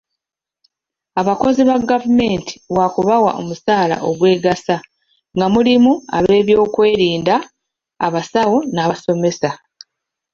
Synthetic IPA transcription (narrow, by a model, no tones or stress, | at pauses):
aβako̞ziβaɡavume̞ːntʰi̥wakuβawa̰ʔo̞̰musaːla̰ʔo̞ɡwe̞ːɡasa | ŋɡamulimua̰βe̞ːβjo̞ːkwe̞ːɾiːndaː | βasawo̞naːβaso̞me̞sa